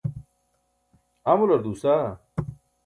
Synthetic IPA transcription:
ɐmulɐɾd̪uːsa

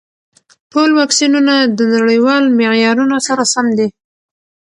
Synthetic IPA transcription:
ʈolwɑksinunad̪ənaɽəjwɑlmeʕjɑɾunosaɾasamd̪i

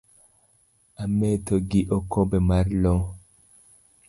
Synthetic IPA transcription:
ametoɡiʔokobɛmaɾlo

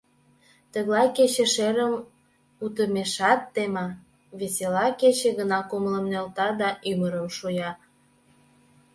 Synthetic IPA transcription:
t̪əɣlɑjket͡ɕĕʃeɾəm | ut̪əmeʃɑt̪ːemɑ | βeselɑket͡ɕĕɣənɑkomələmnølt̪ɑd̪ɑʔyməɾəmʃujɑ

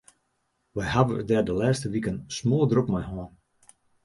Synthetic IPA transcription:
ʋajɦavə̰dɛdəlɛːstəʋikənsmɔːlˠdropmajɦɔːn

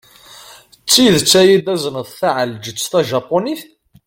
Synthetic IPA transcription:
t͡sːiðət͡sːæjid̪æzənəðθæʕəld͡ʒət͡sːθæʒɑpːoniθ

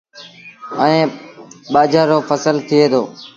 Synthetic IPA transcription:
əẽːɓaːd͡ʒaːɾoːfʰəsəlt̪ʰɪeːd̪oː

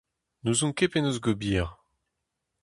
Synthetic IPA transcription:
nuzɔ̃kepenozɡobiːʁ

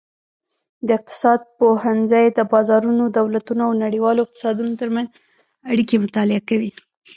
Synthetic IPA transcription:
d̪əɪq̚t̪ɪ̥sɑd̪̚pohanzəjd̪əbɑzɑɾunod̪awlat̪unoawnaɽiwɑloɪq̚t̪ɪ̥sɑd̪unot̪əɾmanz | aɽikemʊt̪ɑlɪakawi

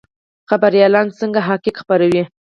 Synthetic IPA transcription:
xabaɾijɑlɑnsəŋɡaɦɑkɪkxpaɾawi

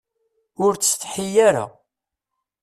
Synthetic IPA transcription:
ʊɾt͡sːθħijæɾa̰

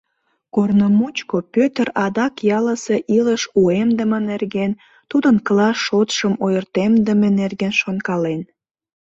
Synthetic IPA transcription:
kornomut͡ɕkopøt̪ərɑd̪ɑkjɑləse̽ʔiləʃuemd̪əmənerɣen | t̪ud̪ənklɑʃot̪ʃəmojərt̪emd̪əmenerɣenʃonkɑlen

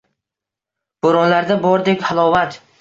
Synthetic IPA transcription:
b̥oɾɒnlaɾd̪abɒɾd̪ekʲhalˠɒvat̪

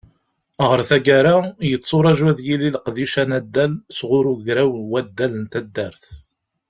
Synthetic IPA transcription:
əʁəɾθæɡæɾajət͡sːʊɾˤɑʒæðjililəqðiʃænæd̪ːælsʁʊɾuɡɾæwənwæd̪ːælənt̪æd̪ːæɾθ

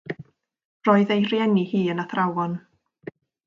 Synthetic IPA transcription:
rɔːɨðejrjɛnihiːənaθrawɔn

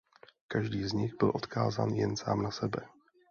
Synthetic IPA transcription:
kaʒdiːzɲɪɣbɪlʔo̞t̪kaːza̰ːnjɛnsa̰ːmnasɛbɛ

